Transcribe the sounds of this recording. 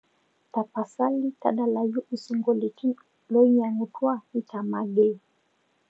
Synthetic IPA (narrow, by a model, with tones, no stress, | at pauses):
ta˨pa˨sa˦li˦ta̰˦ɗa˨la˨ju˦ʔu˨su˨ŋɡɔ˨li˨ki˦ | lɔ˦ɲa˨nu˨twa˦i˦ta˨ma˨ɡɛ˦